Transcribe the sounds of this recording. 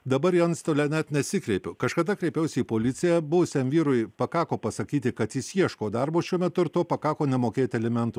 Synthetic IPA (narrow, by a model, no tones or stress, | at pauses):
d̪ɐbɐɾjɛɐnst̪olʲɛnʲɛt̪nʲɛsʲɪkɾʲɛɪpʲʊkɐʃkɐd̪ɐkɾʲɛɪpʲɛʊsʲiːpoːlʲɪt̪sʲɪjɛbʊʋʊsʲɛmʋʲiːɾʊjpɐkɑːkoːpɐsɐkʲiːt̪ʲɪkɐt̪jɪsjiɛʃkoːd̪ɑɾboːʃʲuɔmʲɛt̪ʊɪɾt̪oːpɐkɑːkoːnʲɛmoːkʲeːt̪ʲɛlʲɛmʲɛnt̪ʊ